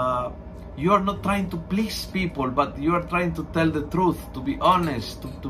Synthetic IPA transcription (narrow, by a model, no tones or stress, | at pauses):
juaɹnɔt̪ːɾajɪ̃ŋt̪uplispipəlbat̪juaɾt̪ɾajɪ̃ŋt̪ut̪ɛld̪ət̪ɾuθt̪ubiʔɔnɛstːut̪u